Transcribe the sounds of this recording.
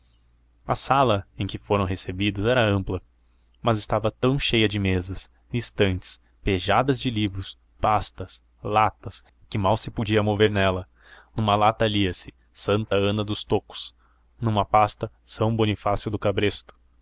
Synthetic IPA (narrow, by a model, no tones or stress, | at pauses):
ɐ̰salɐẽj̃kɪfoɾɐ̃w̃ɦesebid̪ʊzɛɾɐɐ̃mplɐ | mɐzɪst̪avɐt̪ɐ̃w̃ʃejɐd͡ʒɪmezɐs | ist̪ɐ̃nt͡ʃɪ̥s | peʒad̪ɐzd͡ʒɪlivɾʊs | past̪ɐs | lat̪ɐs | kɪmawsɪpod͡ʒiɐmoveɾnɛlɐ | nũmɐlat̪ɐliɐsɪ̥ | sɐ̃nt̪ɐɐ̃nɐd̪ʊst̪okʊ̥s | nũmɐpast̪ɐ | sɐ̃w̃bonifasiwd̪ʊkabɾest̪ʊ̥